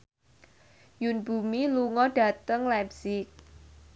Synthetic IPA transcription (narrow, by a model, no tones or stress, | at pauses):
junbṳmiluŋɔɖ̥ä̤t̪əŋlɛbsɪk̚